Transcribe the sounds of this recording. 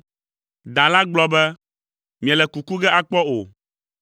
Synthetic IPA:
d̪a˨la˦ɡ͡blɔ˦bɛ˦ | mĩ˨a˨lɛ˨ku˨ku˦ɡɛ˦ʔa˦k͡pɔ˦o̰˨

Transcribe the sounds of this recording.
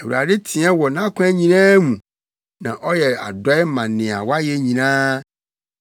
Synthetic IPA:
ɛ˨wu˨ɾa̰˨de˦tʰĩ˨ɛ̃˦wɔ˨nã˦kʷʰɛ˦ɲĩ˨nɛ̃˦mũ˨ | nã˨ʔɔ˦jɛ˨a̰˨dɔ˨˦ɛ˦mã˨nɪ̃˨a̰˨wa˦jɛ˦ɲĩ˨nã˦

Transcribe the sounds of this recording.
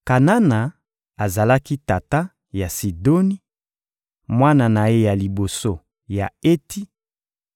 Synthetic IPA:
ka˨na˦na˨ | a˨za˨la˦ki˦ta˨ta˦ | ja˨si˨do˦ni˦ | mwa˦na˨na˨e˦ja˨li˨bo˨so˦ | ja˨e˦ti˦

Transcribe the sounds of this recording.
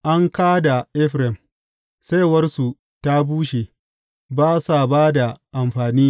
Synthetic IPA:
ʔa˦ŋkaː˦da˨ʔɪ˦ɸɾɛ˨m | sa˦wɐ˦rsu˨ | ta˦buː˦ʃe˨ | baː˦sa˨baː˦da˨ʔa˨mɸaː˨niː˦

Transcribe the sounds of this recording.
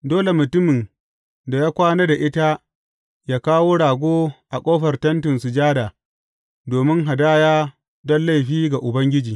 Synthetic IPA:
doː˦le˨mʊ˨tʊ˦mɪ˨n | da˨jaː˦kʷaː˦ne˦da˨ʔɪ˦ta˦ | jaː˦kaː˦woː˦ɽaː˨ɡʷoː˦ʔa˨kʷʼoː˦ɸɐ˨rtɐ˦ntɪ˨nsʊ˨d͡ʒaː˦daː˨ | doː˨mɪ˦ŋɦa˨daː˦jaː˦ | dɔ˦nla˦˨ɸiː˦ɡa˨ʔʊ˨bɐ˦ŋɡʲɪ˦d͡ʒiː˨

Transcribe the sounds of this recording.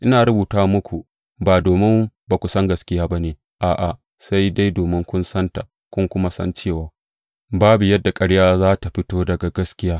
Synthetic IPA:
ʔɪ˦naː˨ɾʊ˦buː˨taː˦wmʊ˦kʷʰu˨ | baː˨doː˨mɪ˦mba˨kʷu˨sɐ˦ŋɡɐ˦skʲɪ˦jaː˦ba˦neː˨ | ʔaː˨ʔa˨ | sa˦jda˦jdoː˨mɪ˦ŋkʷʊ˦nsɐ˦nta˨ | kʷʊ˦ŋkʷʊ˦ma˦sɐ̰˦nt͡ʃeː˦˨waː˨ | baː˦bu˨jɐ˦dːa˨kʼɐ˦ɽjaː˦zaː˦ta˨ɸɪ˦toː˦dɐ˨ɡa˨ɡɐ˦skʲɪ˦jaː˦

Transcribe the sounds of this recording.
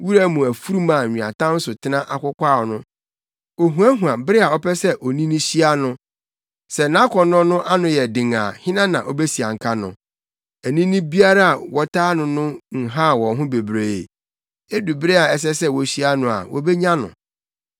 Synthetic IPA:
wu˦ɾæ˦mũ˨æ˨fu˦ɾu˦mãː˨ɲᶣĩ˨a̰˨tʰã˦n̩˦sʊ˨tʰɪ˦nã˦ʔa˨kʷʊ˦kʷa˦˨nʊ̃˦ | o˨ɦũ˨æ˦ɦũ˨a˨bɪ˦ɾɪ˦a˨ɔ˦pʰɛ˦sɛ˦ʔɔ˨nĩ˦nĩ˦ɕi˦a˦nʊ̃˦ | sɛ˨nã˦kʰɔ˨nɔ̃˦nʊ̃˦ʔa˦nʊ̃˨jɛ˨dɪ̃˨ŋa˨hɪ̃˦nã˦nã˨ʔɔ˨be˦si˨a˨ŋ̩˨kʰa˦nʊ̰̃˨ | æ˨nĩ˦nĩ˦bi˦a˦ɾa˦a˨wɔ˨tʰaː˦nʊ̃˨nʊ̃˦ŋ̩˨ɦã˦˨wɔ̃˨ɦʊ̃˦be˨bɾe˨e˨ | e˦du˨bɪ˦ɾɪ˦a˨ɛ˦s̬ɛ˦sɛ˦wɔ˨ɕi˦a˦nʊ̃˨a̰˨wʔɔ̰˦be˦ɲã˦nʊ̰̃˨

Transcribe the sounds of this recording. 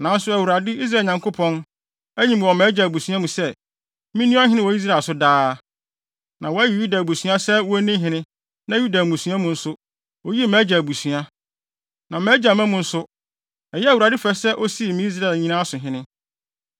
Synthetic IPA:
nã˨˦n̩˦sʊ˦æ˨wu˨ɾa˨dɪ˦i˦s̬ɾa˦˨ɲã˨ŋkʰo˦pʰɔ̃˦n | æ˦ɲĩ˦˨m˨ɔ˨mɛ˦d͡ʑa˨bu˨sɥã˦mũ˨sɛ˦ | mĩ˦nũ˦a˦ɦɪ̃˦nɪ̃˦wɔ˨˦i˦s̬ɾa˨sʊ˦daː˦ | nã˨wɔ˨æ˦ji˨ju˦da˨bu˨sɥa˦sɛ˦wɔ˦nɪ̃˦ɦɪ̃˦nɪ̃˦ | nã˦ju˦da˨mũ˨sũ˦ã˦mũ˨n̩˦sʊ˦ | o˦ji˦mɛ̃˨˦d͡ʑa˨bu˨su˨a˦ | nã˨mɛ˦d͡ʑa˨mæ̃˦mũ˨n̩˦sʊ˦ | ɛ˨jɛ˦æ˨wu˨ɾa˨dɪ˦fɛ˦sɛ˦ʔo˦si˦˨mĩ˦i˦s̬ɾa˦˨lɲĩ˦nãː˦sʊ˨ɦɪ̃˦nɪ̃˦

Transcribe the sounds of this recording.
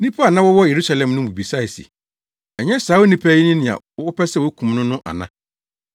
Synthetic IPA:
nĩ˦pʰa˦a˨nã˦wɔ˦wɔ˦je˨ɾu˦sa˦lɛ̃˨mnʊ̃˦bu˨bi˨sa˦i˨sḭ˨ | ɛ˨ɲɛ̃˦saː˨˦wo˦nĩ˦pʰæ˦ji˦nĩ˦nɪ̃˨ã̰˨˦ɔ˦pɛ˦sɛ˦wo˦kʰũ˨mnʊ̃˦nʊ̃˦ʔa̰˨nã˦

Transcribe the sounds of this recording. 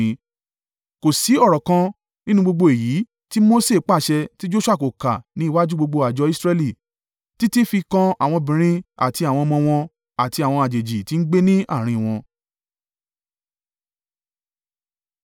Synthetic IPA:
ko˨si˨˦ɔ˦˨ɾɔ˨kã˧ | nĩ˦nũ˧ɡ͡bo˧ɡ͡bo˧e˨jiː˨˦ | ti˦mo˦se˦˨˦k͡pa˦˨ʃɛ˧ti˦d͡ʒo˦ʃu˦a˦˨ko˨ka̰˨nĩ˦i˦˨wa˦d͡ʒu˦ɡ͡bo˧ɡ͡bo˧a˨d͡ʒɔ˧i˦sɾɛ˧li˦˨ | ti˦ti˦fi˧kã˧a˨w̃ɔ̃˧bĩ˨ɾ̃ĩ˦a̰˨ti˧a˨w̃ɔ̃˧mɔ̃˧w̃ɔ̃˧ | a˨ti˧a˨w̃ɔ̃˧a˨d͡ʒe˨d͡ʒi˨ti˨˦n̩˦ɡ͡be˦nĩ˦a̰˦˨ɾ̃ĩ˧˨w̃ɔ̃˧

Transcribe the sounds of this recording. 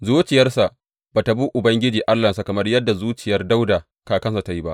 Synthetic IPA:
zuː˦t͡ʃɪ˨jɐ˦rsa˨ʔ | baː˨ta˨buː˦ʔʊ˨bɐ˦ŋɡʲɪ˦d͡ʒiː˨ʔa˦lːa˨sa˨kɐ˨mɐ˦rjɐ˦dːa˨zuː˦t͡ʃɪ˨jɐ˦rda˦wdaː˨ | kaː˨kɐ˦nsa˨ta˦ji˦ba˦ʔ

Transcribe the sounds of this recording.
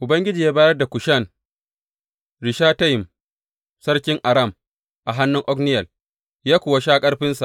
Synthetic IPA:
ʔʊ˨bɐ˦ŋɡʲɪ˦d͡ʒiː˨jaː˦baː˦jɐ˦rda˨kʷʊ˨ʃɐ˦˨n | ɾɪ˨ʃaː˦ta˦jɪ˨m | sɐ˦ɽkʲɪ˦ŋʔa˨ɾɐ˦˨m | ʔa˨ɦa˦nːʊ˦ŋʔɔ˦knɪ˦jɐ˨l | jaː˦kʷʊː˨wa˦ʃaː˦kʼɐ˦ɽɸɪ˦nsa˨ʔ

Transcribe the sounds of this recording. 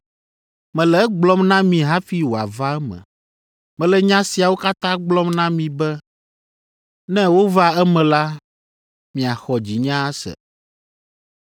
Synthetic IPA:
mɛ̃˨lɛ˨˦ɡ͡blɔ˦mnã˦mĩ˨ɦa˦fi˦wo˨a̰˨va˦ɛ˦mɛ̰̃˨ | mɛ̃˨lɛ˦ɲã˦si˨a˨wo˦ka˦t̪ã˦ɡ͡blɔ˦mnã˦mĩ˨bɛ˦ | nɛ̃˦wo˦va˦ɛ˦mɛ̃˨la˦ | mĩ˨a˨xɔ˨d͡ʑi˨ɲã˦a˦sɛ̰˨

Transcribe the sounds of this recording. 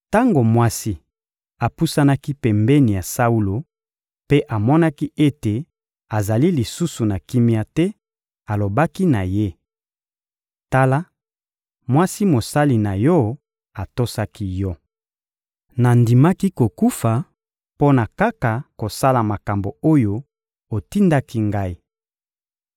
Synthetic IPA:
ta˦ŋɡo˨mwa˦si˦ | a˨pu˦sa˦na˦ki˦pɛ˨mbɛ˦ni˨ja˨sa˦u˦lo˨ | pe˦ʔa˨mɔ˦na˦ki˦ʔe˦te˨ | a˨za˨li˦li˨su˦su˨na˨ki˦mi˦a˦tɛ˦ | a˨lo˨ba˦ki˦na˨je˦ | ta˦la˦ | mwa˦si˦mo˨sa˦li˨na˨jɔ˦ | a˨to˦sa˦ki˦jɔ˦ | na˨ndi˨ma˦ki˦ko˨ku˦fa˨ | po˦na˨ka˦ka˨ko˨sa˦la˨ma˨ka˨mbo˨o˦jo˦ | o˨ti˦nda˦ki˦ŋɡa˦i˦

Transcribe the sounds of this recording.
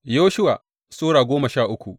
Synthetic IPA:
joː˦ʃʊ˦wa˨ | soː˦ɽaː˨ɡʷoː˦mɐ˨ʃaː˦˨ʔʊ˦kʷu˨ʔ

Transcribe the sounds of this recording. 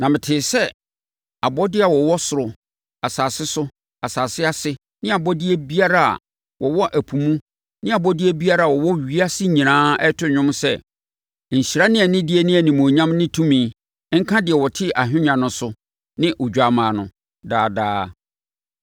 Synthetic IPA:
nã˨mɪ̃˨tʰɪː˨sɛ˦ | a˨bɔ˦dɪ˦a˨wɔ˨wɔ˦sʊ˨ɾʊ˨ | a˨saː˨sɪ˦sʊ˦ | a˨saː˨sɪ˦a˦sɪ˦ | nɪ̃˦a˨bɔ˦dɪ˦æ˦bi˦a˦ɾa˦a̰˨ | wɔ˨wɔ˦ʔæ˨pʰũ˨mũ˦ | nɪ̃˦a˨bɔ˦dɪ˦ɛ˦bi˦a˦ɾa˦˨wɔ˨wɔ˦ɥi˦a˦sɪ˦ɲĩ˨nãː˦ɛ˦tʰʊ˦ɲᶣʊ̃˦m˦sɛ̰˦ | ɲ̩˨ɕi˨ɾa˦nɪ̃˦ɛ˨nɪ̃˦dɪ˦ɛ˦nɪ̃˦æ˨nĩ˨mõ˨ɲã˦mnɪ̃˦tʰũ˦mĩː˨˦ | ŋ̩˦kʰã˦dɪ˨ɛ˨wɔ˨tʰɪ˦ʔa˨ɦᶣɪ̃˦ɲã˨nʊ̃˨sʊ˦ | nɪ̃˦ʔo˨d͡ʑᶣa˦˨mãː˨nʊ̃˨ | daː˦˨da̰ː˦

